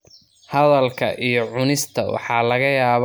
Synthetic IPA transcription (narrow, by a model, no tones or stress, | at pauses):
hɐðɐlkʰɐ̰ʔijɞʕʊnɪst̪ʰɐwɑ̰ħɑːlɐɣɐjaːβ